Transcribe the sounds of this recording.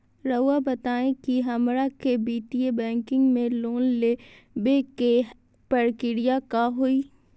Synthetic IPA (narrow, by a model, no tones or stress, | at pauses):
ɾəabɐt̪aːẽkiɦɐmɾakebiːʈiebɛ̃ːŋkɪ̃ŋɡmẽloːnleː | beːke | pɐɽkɪɽijakaɦoiː